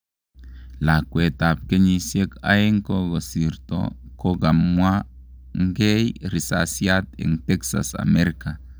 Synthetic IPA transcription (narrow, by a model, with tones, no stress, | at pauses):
la˨kʷwe˨t̪a˨p̚ke˦ɲi˨sje˦ka̰˦je˦ŋko˦ɡo˨si˨ɾt̪o̰˦ko˦ɡa˨mwa˦ | ŋ˦ɡe˦jɾi˨sasja˦t̪ḛ˨ŋt̪e˦ksa̰˨sa̰˨me˦ɾika˨